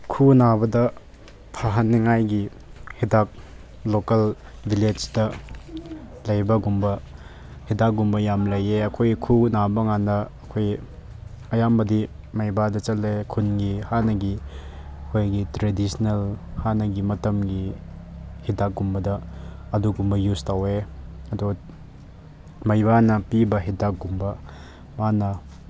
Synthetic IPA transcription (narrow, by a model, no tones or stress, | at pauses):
kʰunabɐdɐ | pʰaɦɐnːiŋajɡi | hidak̚ | lokel | biled͡ʒdɐ | lɐjbɐɡumbɐ | hidak̚ɡumbɐjamlɐjeɐkʰojkʰunabɐŋanɐːkʰoj | ɐjambɐdi | mɐjbadɐt͡ʃɐlːekʰunɡihanɐɡi | ɐkʰojɡitɾedisnelhanɐɡimɐtɐmɡi | hidak̚ɡumbɐdɐːduɡumbɐjustaweɐdu | mɐjbanɐpibɐɦidak̚ɡumbɐ | manɐ